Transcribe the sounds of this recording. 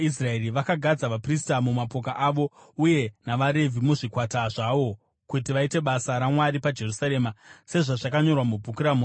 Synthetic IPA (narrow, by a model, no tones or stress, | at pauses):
is̬raeriʋakaɡʱad͡zaʋapristamumapo̞kaʔaʋo̞uje̞naʋaɾe̞vʱimuʐikwataʐaʋo̞ | kutiʋaite̞ɓasaɾamwaɾipad͡ʒe̞rusaɾe̞mase̞ʐaʐakaɲo̞rwamubʱukuɾamo